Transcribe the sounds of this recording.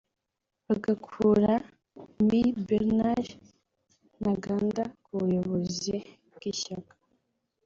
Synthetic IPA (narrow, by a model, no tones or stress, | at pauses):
βaɡakʰuɾa | mibeɾnaɾ | naɡaːndakuβujoβozi | ɡ̥iʃakḁ